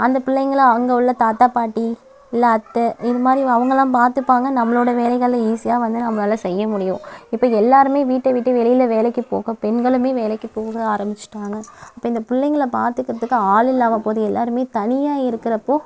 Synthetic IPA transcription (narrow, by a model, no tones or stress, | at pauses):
ɐnd̪ɐpʊlːɛŋɡɐɭŋɡɐʊɭːɐt̪aːt̪aːpaːʈːi | ɪlːaːt̪ːɯɪðɯmaːd̪ɾiɐʋɐŋɡɐlãːpaːɾt̪ɯpːaːŋɡɐnɐmːɐɭoːɽɐʋeːlɐɪɣɐɭːɐiːsɪjaːʋɐnd̪ɯnɐmːɐnaːlɐsɛjːɐmʊɽɪjʊ̃ɪpːoːɛlːaːɾɯmeːʋiːʈːɐʋiːʈːɐʋɛlɪjɪlɐʋeːlɛkːɯpo̰ːɣɐpɛnɡɐɭɯmeːʋeːlɛkːɯpoːɣɐaːɾɐmbɪt͡ʃːɯ̥ʈːaːŋɡɐɐpːɐːɪnd̪ɐpʊɭːɛɪŋɡɐɭɐpa̰ːɾt̪ɯkːɪɾɐðɯkːɯaːɭɪlːaːmɐpoːðɯɛlːa̰ːɾɯmeːt̪ɐnɪjaːɪɾɯkːɪɾɐpːoː